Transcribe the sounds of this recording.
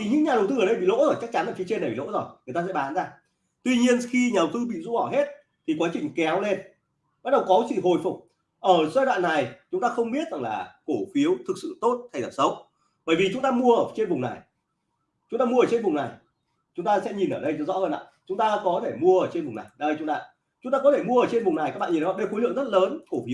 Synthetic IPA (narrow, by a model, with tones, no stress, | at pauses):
i˨˩ɲɨ̰˧˥ŋɲa˨˩ɗə˨˩wt̪ɨ˧əː˧˩ɗə˧jɓḭ˧˨lo̰˧˥əː˧˩jt͡ɕa˦˥k̚t͡ɕa˨˦nʔəː˧˩fi˨˦t͡ɕe˧na˨˩ɓḭ˨lo̰˧˥zo˨˩jŋɨ˨˩ət̪a˧ɛ̰˧˥ɓaː˨˦nzaː˧ | t̪wi˧ɲi˧ənxi˧ɲaː˨˩ɗə˨˩wt̪ɨ˧ɓḭ˧˨zṵ˧˥ʔɔ˧˩ɦe˦˥t̚ | t̪ʰi˨˩kwaː˨˦t͡ɕï˨˩ŋ̟kɛ˨˦wle˧n | ɓa˦˥t̚ɗə˨˩wkɔ˨˦sḭɨ̰˧˨ɦo˨˩jfʊ˨˩k͡p̚ | ʔəː˧˩saː˧jwa̰ː˧˨nːa˨˩jt͡ɕʊ˨˦ŋ͡mt̪aː˧xə˧wŋ͡mɓi˦˥ət̚za̰˨˩ŋlaː˨˩ko˧˩fi˨˦əwt̪ʰɨ˨˩k̚sɨ̰˧˨t̪o˦˥t̚t̪ʰa˨˩j̪ə˨˩p̚sə˨˦w | ɓəː˧˩jvi˨˩t͡ɕʊ˨˦ŋ͡mt̪aː˧mu˧əʔəː˧˩t͡ɕe˧nvʊ˨˩ŋ͡mna̰˨˩j | t͡ɕʊ˨˦ŋ͡mt̪aː˧mu˧əəː˧˨˩t͡ɕe˧nvʊ˨˩ŋ͡mna˨˩j | t͡ɕʊ˨˦ŋ͡mt̪aː˧sɛ̰˧˥ɲi˨˩nʔəː˧˩ɗə˧jzɔ̰˧˥əː˧˩nʔa̰ː˧˨t͡ɕʊ˨˦ŋ͡mt̪aː˧kɔ˨˦t̪ʰe˧˩mu˧əʔəː˧˩t͡ɕe˧nvʊ˨˩ŋ͡mna˨˩jɗə˧jt͡ɕʊ˨˦ŋ͡mt̪aː˧˨ | t͡ɕʊ˨˦ŋ͡mt̪aː˧kɔ˨˦t̪ʰe˧˩mu˧əː˧˩t͡ɕe˧nvʊ˨˩ŋ͡mna˨˩jka˦˥k̚ɓaː˧˨i˨˩˨ɔ˨˦ɓe˧˩xlɨ̰˧˨əŋzə˦˥t̚ləː˨˦nko˧˩fi˨˦w